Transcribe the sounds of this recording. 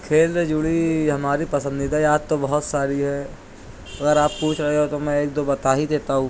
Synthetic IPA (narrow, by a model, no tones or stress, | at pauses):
kʰeːlɾed͡ʒuɽiɦɐmaːɾipɐsə̃nd̪ɪd̪ʱajaːd̪̚t̪obɐɦʊt̪saːɾiɦɛ | ɐɡəɾaːpːuːt͡ʃʰɾɐɦeɦot̪omɛ̃eːk̚d̪obɐt̪aːɦid̪eːt̪aɦũː